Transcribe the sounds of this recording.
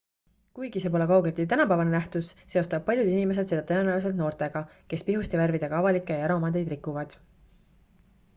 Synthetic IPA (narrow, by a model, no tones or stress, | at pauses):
kujɡ̥ise̞pole̞kɑuwɡelʲt̪ːˑit̪ænɑpæːvɑnenæht̪usːe̞o̞st̪ɑb̥̚pːɑlʲjud̪̥inime̞s̬e̞d̪̥se̞d̪ɑt̪ɤjenæwis̬e̞lt̪no̞ːrt̪e̞ɡ̥ɑke̞spiɦust̪iværvid̪eɡ̥ɑɑvɑlikːˑejɑjæɾo̞mɑd̪e̞jd̪rikːˑuvɑd̪̥